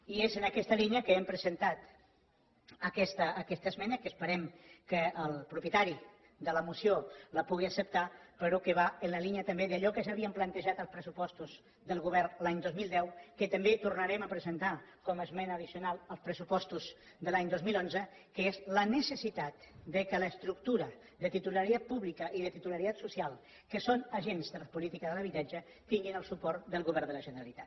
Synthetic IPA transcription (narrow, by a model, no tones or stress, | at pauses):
iezənəkɛst̪əliniəkəɛmpɾəzənt̪at̪ | əkɛst̪əːkɛst̪əzmɛnəkəspəɾɛmkəəlˠpɾupjət̪aɾi | d̪ələmusioləpuɣiəsəp̚t̪apəɾokəβaənləliniət̪əmbeðəʎɔkəzaβiəmplənt̪əʒat̪əlˠspɾəsupɔst̪uz | ðəlˠɣuβ̞ɛrnlaɲd̪ozmilˠd̪ɛwkət̪əmbet̪urnəɾɛməpɾəzənt̪akɔməzmɛnəːð̞isiunalˠəlˠspɾəsupɔst̪uz | d̪əlaɲd̪ozmilˠonzə | kəezlənəsəsit̪at̪d̪əkələst̪ɾuk̚t̪uɾə | ðət̪it̪uləɾiat̪̚puβlikəʔiðət̪it̪uləɾit̪at̪susialˠ | kəsonəʒenzðəlpulit̪ikəðələβit̪ad͡ʒə | t̪iŋɡinəlˠsupɔɾt̪d̪əlˠɣuβɛɾðələʒənəɾalit̪at̪